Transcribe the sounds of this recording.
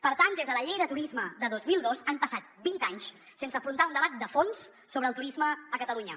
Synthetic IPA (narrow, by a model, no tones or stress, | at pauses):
pəɾt̪and̪ezðələʎejðət̪uɾizməd̪əðozmilˠd̪ozampəsat̪bint̪aɲs | sensəfɾunt̪aund̪əβat̪̚d̪əfonsː | oβɾəlˠt̪uɾizməːkət̪əluɲə